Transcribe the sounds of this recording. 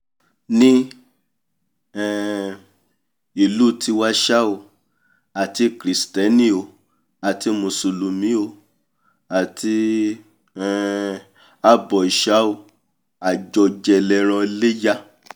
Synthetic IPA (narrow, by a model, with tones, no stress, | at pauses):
nĩ˦ | ɛ˨ | i˦˨lu˦˨ti˧wa˦ʃa˦o˧ | a˨ti˧˦kɾi˨stɛ˨˦nĩ˦o˧˨ | a˨ti˧mũ˨su˨lu˨mĩ˨˦o˧ | a˨ti˧ | ɛ˨ | a˦bɔ˨i˨ʃa˨˦o˧ | a˨d͡ʒɔ˧d͡ʒɛ˧lɛ˧˦ɾ̃ɔ̃˧i˧le˦ja˦